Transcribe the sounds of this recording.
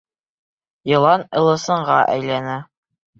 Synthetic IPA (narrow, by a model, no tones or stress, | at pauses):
jɤ̆lˠɑnɤ̆lˠɤ̆sɤ̆ɴʁɑʔæ̰jlænæ